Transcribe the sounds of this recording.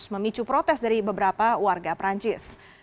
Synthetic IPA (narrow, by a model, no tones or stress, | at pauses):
sməmit͡ʃupɾot̪ɛsdaɾibəbəɾapawarɡapɾaɲt͡ʃɪs